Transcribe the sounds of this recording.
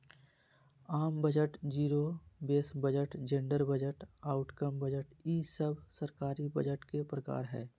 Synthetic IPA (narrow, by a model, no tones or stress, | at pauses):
aːmbəd͡ʒəʈd͡ʒiːɾobeːsbəd͡ʒəʈd͡ʒẽɳɖəɾbəd͡ʒəʈaːʊʈkəmbəd͡ʒəʈiːsəbsəɾkaːɾibəd͡ʒəʈkepɾəka̰ːɾɦɛ̰ː